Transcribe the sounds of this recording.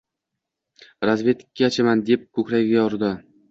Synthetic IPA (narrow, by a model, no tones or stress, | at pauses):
ɾazvʲe̞t̪ɪ̥kʲʰːaːt͡ʃʰamand̪ep̚kʰɵkʲɾaɡʲɪɡʲajɒɾd̪ɪ